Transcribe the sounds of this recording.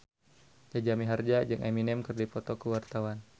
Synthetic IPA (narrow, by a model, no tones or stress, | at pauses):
d͡ʒad͡ʒamiɦard͡ʒad͡ʒɨŋʔaminɛmkərdipɔt̪ɔkəwart̪awan